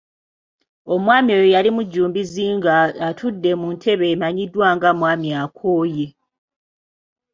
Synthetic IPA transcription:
o̞mwaːmiojojalimuɟːuːmbiziːŋɡaːtʰudːe̞muntʰe̞βe̞ːmaɲidwaːŋɡamwaːmjakʰoːje

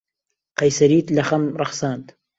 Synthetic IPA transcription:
qɐjsɐɾiːt̪lɐxɐmrɑxsaːnt̪

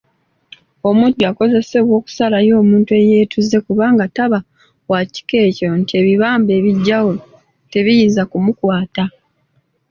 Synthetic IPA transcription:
o̞mudːuako̞ze̞se̞βwo̞ːku̥salajo̞ːmuːntue̞je̞ːtʰuzːe̞kuβaːŋɡataβa | waci̥ke̞ːco̞ntie̞ːβiβaːmbe̞ːβiɟːawo̞ | te̞βijiːnzakumukwaːta

